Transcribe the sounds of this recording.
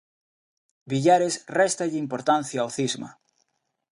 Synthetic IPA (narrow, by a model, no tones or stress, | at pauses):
biʎaɾesrɛst̪aʎɪimpoɾt̪ãnθjaːwθizma̰